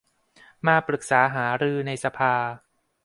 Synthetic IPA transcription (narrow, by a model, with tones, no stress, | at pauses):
maː˧pɾɯ˨˩k̚saː˩˦ɦaː˩˦ɾɯː˧na˧jsa˧pʰaː˧